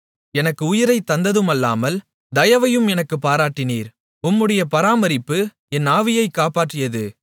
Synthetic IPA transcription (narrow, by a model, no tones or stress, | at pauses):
ɛnɐkːɯʊjɪɾɐɪt̪ːɐnd̪ɐðɯmɐlːa̰ːmɐl | d̪ɐjɐʋɐjɯmɛnɐkːɯpːaːɾaːʈːɪniːɾ | ʊmːɯɽɐjɐpɐɾaːmɐɾɪpːɯ | ɛnaːʋɪjɐɪkːaːpaːʈrɯjɐðɯ